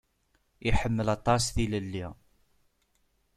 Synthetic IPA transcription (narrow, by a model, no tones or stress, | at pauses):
iħəmːəlɑt̪ˤːɑsθiləlːi